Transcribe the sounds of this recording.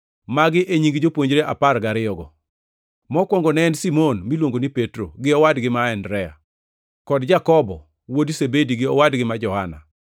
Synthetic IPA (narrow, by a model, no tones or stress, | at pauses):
maɡɪʔeɲiŋɡd͡ʒopwoɲd͡ʒɾeʔa̰parɡaɾɪɔɡɔ | mɔkwɔŋɡɔnɛnsimonmilwoŋɡonipetɾo̰ɡɪɔwadɡɪmaɛndɾɛa̰ | kɔdd͡ʒakɔbɔ | wodisebediɡɪɔwadɡɪmad͡ʒɔhana̰